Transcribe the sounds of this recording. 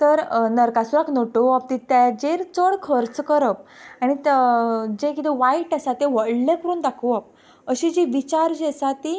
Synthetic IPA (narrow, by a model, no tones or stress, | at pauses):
t̪əɾnəɾkasuɾakʰnoʈoap̚t̪it̪ad͡ʑeɾt͡səɽkʰəɾt͡skəɾəp̚aɽ̃it̪d͡ʑekit̪eʋaiʈasat̪eʋəɽlekəɾuːnd̪akʰəʋap̚ | əɕid͡ʑiʋit͡ɕaɾd͡ʑesat̪i